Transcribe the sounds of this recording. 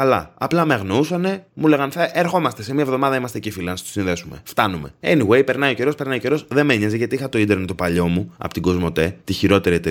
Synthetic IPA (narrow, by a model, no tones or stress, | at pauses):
kɐlɐ̰ɐplɐmeɐɣnousɐne̞mule̞ɣɐnθeʔeɾxo̞mɐst̪e̞se̞miɐevðo̞mɐðɐimɐst̪ecifilɐnɐst̪osinðe̞sume̞̰ft̪ɐnume̞eniɣwe̞jpe̞ɾnɐio̞ce̞ɾo̞spe̞ɾnɐioceɾo̞sðe̞meɲezeʝɐt̪iixɐt̪o̞id̪eɾnt̪o̞pɐʎo̞muɐ̰pot̪iɡo̞zmo̞t̪e̞t̪içiɾo̞t̪e̞ɾiet̪e